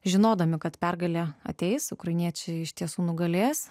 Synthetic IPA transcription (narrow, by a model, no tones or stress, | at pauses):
ʒʲɪnoːd̪ɐmʲɪkɐt̪pʲɛrɡɐlʲeːɐ̰t̪ʲɛɪsʊkɾɐɪnʲiɛt͡ʃʲɛɪɪʃʲt̪ʲiɛsuːnʊɡɐlʲeːs